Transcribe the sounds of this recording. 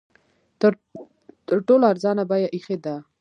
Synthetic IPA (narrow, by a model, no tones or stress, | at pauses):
t̪əɾʈoloaɾzɑnabɑjaʔixed̪a